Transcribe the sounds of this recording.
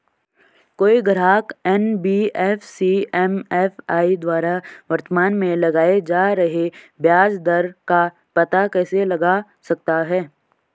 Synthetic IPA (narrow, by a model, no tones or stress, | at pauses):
koːiɡɐɾaːkɛnbiːɛːfsiɛmɛːfʰaːid̪waːɾaʋɐɾt̪əmaːnmẽlɐɡaːed͡ʒaːɾɐɦebjaːd͡ʒd̪ɐɾka | pɐt̪akɛːselɐɡa | sɐk̚t̪aɦɛː